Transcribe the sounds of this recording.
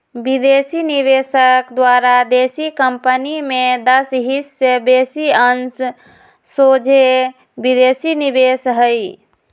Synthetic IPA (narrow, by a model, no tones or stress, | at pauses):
bid̪esiniβesəkd̪waɾad̪esikəmpənimed̪əsɦisːebesiəns | sod͡ʒʱe | bid̪esinibesɦəj